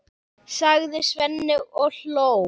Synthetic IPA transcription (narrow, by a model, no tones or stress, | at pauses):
saɣðɪsvɛnːɪɣɔlow